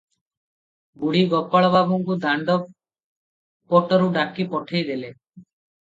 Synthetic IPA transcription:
buɽiɡɔpaɭɔbaɡuŋkud̪ʱaɳɖɔ | pɔʈɔɾuɖakipɔʈʰejd̪ele

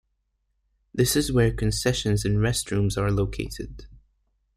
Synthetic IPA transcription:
ðɪsɨzwə˞kʰɨ̃nsɛʃə̃nzɨ̃nɹɛstɹũmzə˞loʊkʰḛɪtɪ̰d̥̚

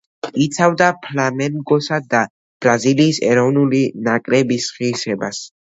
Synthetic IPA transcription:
it̪sʰavd̪apʰlamɛmɡɔsad̪a | b̥ɾaziliːsɛ̰ɾɔvnulinakʼɾɛbisχisɛbas

